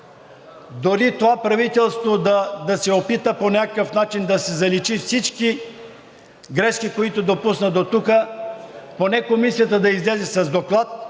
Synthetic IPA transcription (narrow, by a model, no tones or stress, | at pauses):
d̪oɾit̪ovapɾɐvit̪ɛlˠst̪vod̪ɐd̪ɐsɛopit̪əponʲakəkəfnat͡ʃind̪ɐsɛzɐlit͡ʃifsit͡ʃki | ɡɾɛʃkikoit̪od̪opusnəd̪ot̪ukə | ponɛkomisijət̪əd̪ɐizlɛzɛsɐzd̪oklˠat̪̚